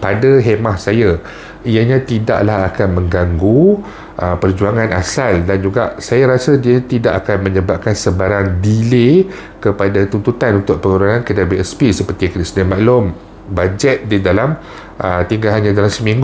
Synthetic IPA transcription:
padaɦemahsaja | ijaɲãt̪ida̰ʔlahakanmə̃ŋɡaŋɡu | ʔəpərd͡ʒuaŋãnasaldand͡ʒuɡaʔsajaɾasadiəɲt̪idaʔakanmə̃ɲəbap̚kansəbaɾaŋdile | kəpadat̪unt̪ut̪anunt̪ʊʔ̚pəŋuɾaŋãnkədabeɛspisəpərt̪iakənəsədiamãʔlʊm | bad͡ʒɛt̪̚didalam | ʔət̪iŋɡaɦanɲãdalamsəmĩŋɡu

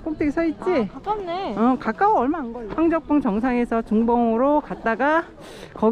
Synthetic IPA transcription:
k͈ok̚t͈eɡisʰʌit̚t͡ɕ͈ieʌkak͈aoʌɭmanɡʌɸaŋd͡ʑʌk̚p͈uŋt͡ɕʌŋsʰaŋe̞sʰʌtuŋbʌŋɯɾokat̚t͈aɡa | kʌ

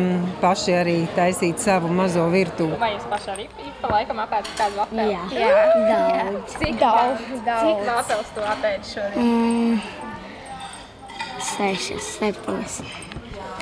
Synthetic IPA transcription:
paʃiaɾiːt̪ajsiːt̪savumazuɔviɾt̪uːvajɛspaʃaɾiːpippalˠajkɐmapɛːt̪k̪aːd̪apɛjaːaaaikd̪ad̪aikap̪ɛlˠst̪uɔapɛːʃuɔɾɛ | sɛʃa̰svɛɾt̪uɔs

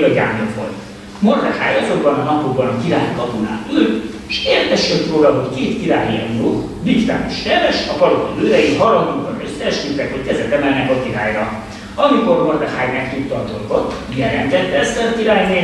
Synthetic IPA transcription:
ɒɟaːmlofo̰l | mo̞rd̪ɛxaːjɒzo̞ɡbɒnɒnɒpoɡbɒnɒkiɾaːjkɒbona̰ːt̪yl | eʃeːrt̪ɛʃjøt̪roːlɒɦo̞ckeːt̪kiɾaːjiɛnloːt | d̪ikt̪a̰ːnoʃt̪ɛvɛʃɒpɒlokɒzøːd̪ɛjiɦɒɾɒmuŋbɒnø̞sːɛːʃkyt̪ːɛkho̞ckɛzɛt̪ɛmɛlnɛkɒkiɾaːjrɒ | ɒmiko̞rmo̞rd̪ɛxaːjmɛkt̪ut̪ːɒːd̪o̞lɡo̞t̪ːmiɛɾɛnd̪ɛt̪ːɛst̪ɛlkiɾaːjneː

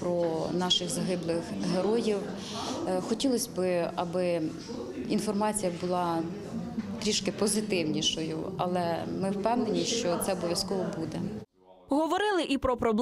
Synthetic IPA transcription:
pɾɔnɑʃɪxzɐɦɪblˠɪxɦeɾɔjiw | xɔtʲilˠɔsʲbɪɐbɪ | infɔrmɑt͡sʲijɐbʊlˠɑ | t̪ɾʲiʃkɪpɔzɪt̪ɪwnʲiʃɔjʊ̰ɐ̰lˠɛmɪwpɛwnenʲiʃt͡ʃɔt̪sɛɔbɔʋʲjɐskɔʋɔbud̪ɛ | ɦɔʋɔɾɪlˠɪʔipɾɔpɾɔb̪ˠ

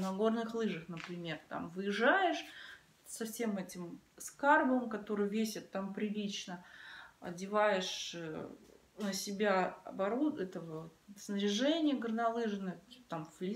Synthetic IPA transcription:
nɐɡo̞rnɨxlˠɨʐəxnəpɾʲɪmʲe̞rt̪a̰mvɨjɪʐːajɪʂ | sɐfsʲe̞mɛtʲɪmskarbəmkɐt̪o̞ɾɨjvʲesʲɪt̪ːampɾʲɪlʲit͡ɕnəɐ̰dʲɪvajɪʂ | nəsʲɪbʲaɐ̰bɐɾuɛt̪əvəsnəɾʲɪʐɛnʲɪjəɡərnɐlˠɨʐɨnəjt̪amflʲɪ

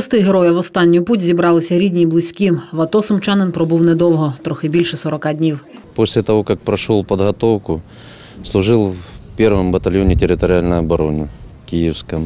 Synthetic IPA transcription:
ɐst̪ɪɦeɾɔjɐʋɔst̪ɑnʲːʊjputʲzʲibɾɑlˠɪsʲɐɾʲidʲnʲiːblˠɪsʲkʲiʋɐt̪ɔsʊmt͡ʃɑnɪnpɾɔbuwnɛd̪ɔwɦɔt̪ɾɔxɪbʲilʲʃɛsɔɾɔkɑdʲnʲiwposʲlʲɪt̪ɐʋokɐk̚pɾɐʂolˠpəd̪ɦɐt̪owkʊ | slˠʊʐɨlˠvpʲerʋəmbət̪ɐlʲjonʲɪtʲɪɾʲɪt̪əɾʲɪalʲnəjɐbɐɾonɪkʲijɪfskɐm

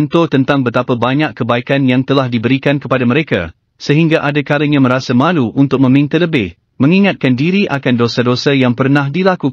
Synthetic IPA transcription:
nt̪ot̪ənt̪aŋbət̪apabaɲãkkːəbaikanjaŋt̪əlahdibəɾikankəpadamə̃ɾeka̰ | səɦiŋɡaʔadakaɾəɲãməɾasamãluʔunt̪ʊk̚mə̃mĩnt̪aləbɪh | mə̃ŋiŋat̪̚kandiɾiʔakandosadosajaŋpərnãhdilaku

